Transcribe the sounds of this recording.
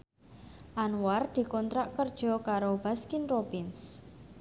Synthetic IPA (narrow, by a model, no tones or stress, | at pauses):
ʔanward̪̥i̤kɔnt̪ɾaʔkərd̥ʒ̥ɔ̤kaɾob̥a̤skinprobɪns